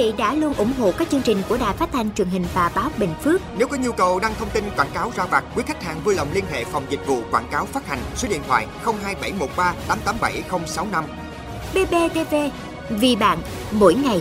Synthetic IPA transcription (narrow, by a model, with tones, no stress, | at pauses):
ḭ˧˨ɗa̰ː˧˥lu˧ənʔʊ̰˧˩ŋ͡mɦo̰˧˨kaː˦˥k̚t͡ɕɨ˧əŋt͡ɕï˨˩ŋ̟ku˧˩əɗa̰ː˨jfaː˦˥t̚t̪ʰa˧jŋt͡ɕwi˨˩ənɦï˨˩ŋ̟vaː˨˩ɓaː˨˦wɓḛ˧˨˩ŋ̟fɨ˦˥ək̚ne˨˦wkɔ˨˦ɲu˧kə˨˩wɗaː˧ŋt̪ʰə˧wŋ͡mt̪i˧nkwaː˧˩nkaː˨˦wzaː˧vaː˨˩t̚kwi˨˦kʰa˦˥k̟̚haː˨˩ŋvuː˧jlə˨˩wŋ͡mli˧ənɦḛ˧˨fa˨˩wŋ͡mzï˨˩k̟̚vṵ˧˨kwaː˧˩nkaː˨˦wfaː˦˥t̚ha˨˩ŋ̟so˨˦ɗḭ˧ənt̪ʰwa̰ː˧˨jxə˧wŋ͡mɦaː˧jɓa˧˩jmo˨˩t̚ɓaː˧t̪aː˨˦mt̪aː˨˦mɓa˧˩jxə˧wŋ͡msa˨˦wna˧m | ɓe˧ɓe˧t̪e˧ve˧ | vi˨˩ɓa̰ː˧˨n | mo̰˧˥jŋa˨˩j